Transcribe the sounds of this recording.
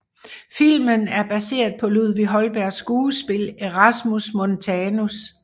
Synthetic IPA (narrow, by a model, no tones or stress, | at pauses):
fil̰mənæɐb̥æse̝̰ːɐðˠpʰɒ̽luð̰ˠʋiɦɒ̽lb̥æɐ̰sɡ̥uːsb̥e̝leʁɑsmusmont͡sʰɛːnus